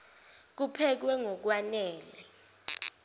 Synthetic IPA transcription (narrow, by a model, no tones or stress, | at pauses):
k̬upʰɛk̬wɛŋok̬wanɛːlɛ